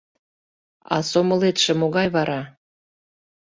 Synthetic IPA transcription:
ɑ̰somə̆let̪ʃĕmoɣɑjβɑɾɑ

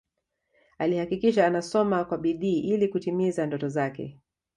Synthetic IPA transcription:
alihakikiʃ̬aːnasɔmakwaɓiɗiːʔilikutimizandɔtɔzakɛ̰

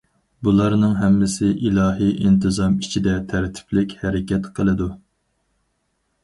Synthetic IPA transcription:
bulˠɑɾnɨŋɦɛmːɪsɪʔilˠɑːɦiʔint̪ʰɨzɑmit͡ʃʰid̪ɛt̪ʰæɾt̪ʰɪ̥plɪkʲhɛɾɪkʲʰɛt̪qʰəlˠɨd̪u

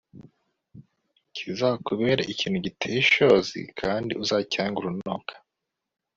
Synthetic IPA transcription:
cʰizahokuβe̞ːɾaʔiciːn̥huɟitʰejiʃo̞zḭkʰaːndḭʔuzacaːŋɡuɾunoːkʰḁ

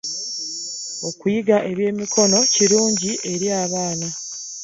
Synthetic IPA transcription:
o̞kujiɡaʔe̞βje̞ːmikʰo̞no̞ciɾuːɲɟiʔe̞ɾiaːβaːna

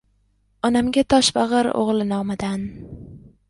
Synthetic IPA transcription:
ɒnamɡʲat̪ʰɒʃbaʁɨɾo̰ʁlˠɪnɒmɪd̪an

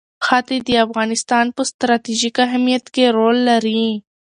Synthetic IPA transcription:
xɑt̪ed̪əafɣɑnɪst̪ɑnpəst̪ɾɑt̪iʒikaɦmijat̪keɾolːaɾi

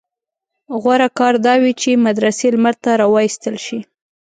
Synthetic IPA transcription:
ɣwaɾakɑɾd̪ɑwit͡ʃemad̪ɾaselmaɾt̪aɾɑwɑjist̪əlʃi

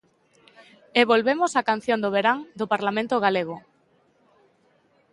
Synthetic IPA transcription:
eβolβemosakan̟θjõnd̪oβeɾaŋd̪opaɾlamẽnt̪ʊɣ̞aleɣ̞o

